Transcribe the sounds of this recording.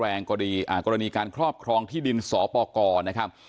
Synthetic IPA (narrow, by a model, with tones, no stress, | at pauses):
ɛː˧ŋkɔ˧ɾa˧iː˧ʔaː˨˩kɔː˧ɾa˧niː˧kaː˧nkʰɾɔː˥˩p̚kʰɾɔː˧ŋt̪ʰiː˥˩di˧nsɔː˩˦pɔː˧kɔː˧na˦˥kʰa˦˥p̚